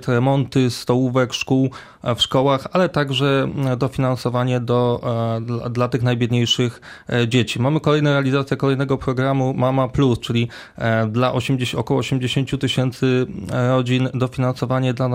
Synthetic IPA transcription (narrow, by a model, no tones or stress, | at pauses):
t̪ɾɛmɔnt̪ɘst̪ɔwuvɛkʂkuw | fʂkɔwaxalɛt̪aɡʐɛd̪ɔfʲinansɔvaɲɛd̪ɔ | ad̪lat̪ɘxnajbʲjɛd̪ɲejʂɘx | d͡ʑet͡ɕimamɘkɔlɛjnɛɾɛalʲizat̪sʲjɛkɔlɛjnɛɡɔpɾɔɡɾamumamaplust͡ʂɘlʲi | d̪laʔɔɕmɔkɔwɔːɕemd͡ʑeɕeɲt͡ɕut̪ɘɕɛnt̪sɘɾɔd͡ʑind̪ɔfʲinansɔvaɲɛd̪la